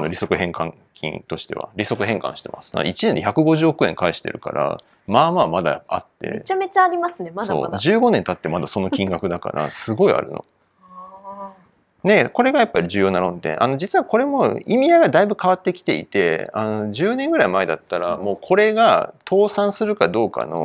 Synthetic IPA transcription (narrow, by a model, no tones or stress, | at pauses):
ano̞ɾʲiso̞kɯ̟hẽ̞ŋkãŋ | kʲʰḭ̃nt̪o̞ɕi̥t̪e̞a̰ɾʲiso̞kɯ̟ɦẽ̞ŋkã̰ɕi̥t̪e̞ma̰sɨ̥a̰it͡ɕineneçakɯ̟ɡo̞ʑɨːokɯ̟ẽ̞ŋkaiɕi̥t̪e̞̰ɾɯ̟ka̰ɾa̰ | maːmamad̪a̰a̰t̪ːe̞̰met͡ɕame̞t͡ɕaːɾʲimasɨnemao̰ːd͡ʑɨːɡo̞nẽ̞nt̪at̪ːe̞mad̪asono̞kʲĩŋɡakɯ̟d̪aka̰ɾa̰sɨɡo̞ia̰ɾɯ̟̰no̞̰ | ne̞ko̞ɾe̞ɡajapːaɾʲid͡ʑɨːjo̞ːnaɾõ̞nt̪ẽʔano̞d͡ʑit͡sɨβako̞ɾe̞mo̞imʲijaɡad̪aibɯ̟kaβat̪ːe̞kʲi̥t̪e̞ḭt̪e̞̰ano̞d͡ʑɨːnẽ̞ŋɡɯ̟ɾaimaed̪at̪ːaɾamo̞ːkʰo̞ɾe̞ɡat̪ʰo̞ːsãɰ̃sɨɾɯ̟kad̪o̞ːka̰no̞̰